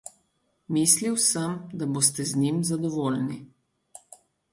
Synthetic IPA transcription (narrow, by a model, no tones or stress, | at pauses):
miːsliwsəmd̪abost̪ɛznimzad̪ɔʋoːlni